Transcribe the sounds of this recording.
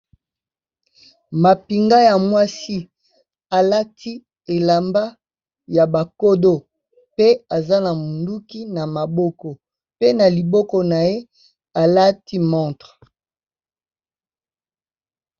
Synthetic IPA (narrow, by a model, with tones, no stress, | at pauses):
ma˨pi˨ŋɡa˦ja˨mwa˦si˦ | a˨la˦tʰi˦ | e˨la˨mba˦ | ja˨ba˨ko˦do˦ | pe˦a˨za˦na˨mu˨ndu˦ki˦na˨ma˨bɔ˦kɔ˨ | pe˦na˨li˨bɔ˦kɔ˦na˨je˦ | a˨la˦ti˦mɔ̃˦˨tʁ